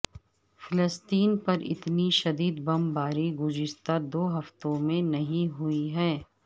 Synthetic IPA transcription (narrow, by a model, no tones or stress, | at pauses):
fɪləst̪iːnpɐɾɪ̰t̪niʃɐd̪iːd̪bɐmbaːɾiɡʊzɪʃt̪ad̪oːɦɐft̪õmẽnɐɦĩɦʊiɦɛː